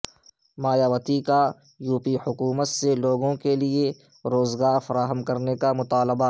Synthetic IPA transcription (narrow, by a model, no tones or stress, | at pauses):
maːjaːʋət̪ika | juːpihʊkuːmət̪seloːɡõkelie | ɾoːzɡaːfɐɾaːɦəmkɐɾnekamʊt̪aːlɪba